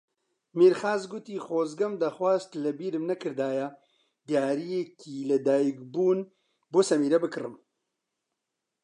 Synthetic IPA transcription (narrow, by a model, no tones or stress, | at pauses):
miːɾxaːzɡʊt̪iːxoːzɡɐmd̪aːxwaːzt̪lɨbiːɾɨmnɐkʰɨɾd̪aːjɛ | d̪ijaːɾijekʰiːlɨd̪aːjikbuːn | boːsɐmiːɾɛbɨkɨrɨm